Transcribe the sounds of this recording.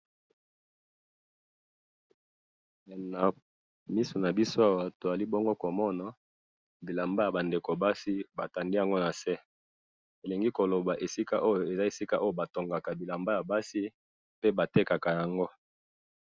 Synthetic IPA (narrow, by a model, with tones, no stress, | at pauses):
na˨ | mi˦so˨na˨bi˦so˦a˦wa˨to˨za˨li˦bo˦ŋɡo˦ko˨mɔ˦na˨ | bi˨la˨mba˦ja˨ba˨nde˨ko˨ba˦si˦ba˨ta˨ndi˦ja˨ŋɡo˦na˨sɛ˦ | e˨le˨ŋɡi˦ko˨lo˨ba˨ʔe˨si˦ka̰˦ʔo˦jo˨e˨za˦e˨si˦ka˦ʔo˦jo˨ba˨to˨ŋɡa˨ka˨bi˨la˨mba˦ja˨ba˦si˦ | pe˦ba˨te˦ka˨ka˨ja˨ŋɡo˦